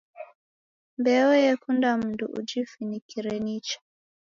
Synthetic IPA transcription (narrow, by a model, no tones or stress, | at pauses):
mbɛɔjɛkundam̩nduʔud͡ʒifinikiɾɛnit͡ʃḁ